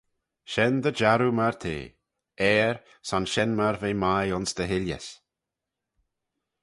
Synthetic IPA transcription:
ʃɛnd̪əd͡ʒaɾumaɹt̪ʰḛː | ɛːɹ | sanʃɛnmaɹveːmajʊnsd̪əɦɪljə̰s

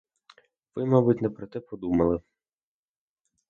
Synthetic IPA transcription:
ʋɪmabʊtʲnɛpɾɔt̪ɛpɔd̪umɐlˠɪ

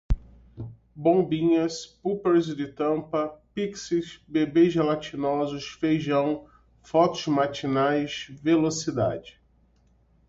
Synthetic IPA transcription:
bõbĩɲɐspupeɾzd͡ʒɪt̪ɐ̃mpɐpiksɪsbebeʒɐlat͡ʃinɔzʊsfejʒɐ̃w̃ | fɔt̪ʊsmat͡ʃinajsvelosid̪a̰d͡ʒɪ

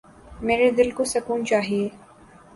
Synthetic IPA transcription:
meːɾed̪ɪlkosɐkuːnt͡ʃaːɦieː

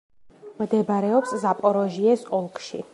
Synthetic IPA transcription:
md̪ɛbaɾɛɔpszapʼɔɾɔʒiɛsɔlˠkʼʃḭ

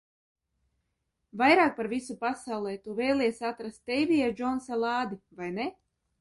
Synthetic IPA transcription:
vajɾaːk̚paɾvisupasawlˠɛːt̪uvɛjlˠʲiɛsʲat̪ɾast̪ːɛjvʲijad͡ʒɔnsalˠaːd̪ivajne

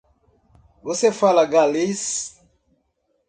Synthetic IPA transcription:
βosefalaɡalis

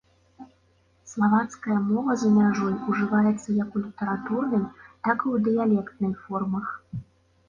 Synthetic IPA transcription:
slˠavat̪skɐjɐmɔvɐzɐmʲaʐɔjuʐɨvajɛt̪sːɐjɐkulʲit̪ɛɾat̪urnɨjt̪akiwd̪ɨjalʲɛkt̪nɨjfɔrmɐx

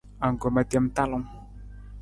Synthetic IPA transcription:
aŋɡomat̪iamt̪alam

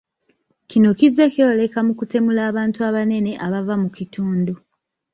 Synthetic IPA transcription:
cino̞cize̞keole̞kamukute̞mulaːβaːntuaβane̞ne̞ʔaβavamucituːndu

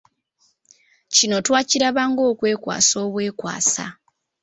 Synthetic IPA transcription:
cino̞twaːciɾaβaŋɡo̞ːkwe̞ːkwa̰ːso̞ːβwe̞ːkwa̰ːsa̰

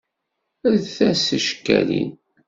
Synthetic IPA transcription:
əɾθæsəʃə̥kːæ̰lḭn

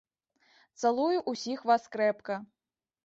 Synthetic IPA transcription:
t̪salˠujuʔusʲixvaskɾɛpkɐ

